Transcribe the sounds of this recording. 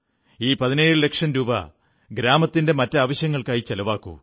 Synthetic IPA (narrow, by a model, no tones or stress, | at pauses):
iːpɐðine̞ːɻɨle̞kʂɐnɾuːbɐ̰ | ɡɾaːmɐt̪ːinde̞mɐtːɐaːʋɐɕjɐŋːɐɭkaːjit͡ɕelɐʋaːkːṵ